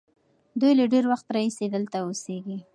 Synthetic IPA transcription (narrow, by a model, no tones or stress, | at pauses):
d̪ujlaɖeɾwaxt̪ɾɑised̪əlt̪aoseɡi